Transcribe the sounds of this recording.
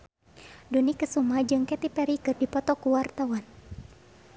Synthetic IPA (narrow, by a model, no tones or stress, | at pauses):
dunikəsumad͡ʒɨŋkɛt̪ipɛɾikɨrdipɔt̪ɔkuwart̪awan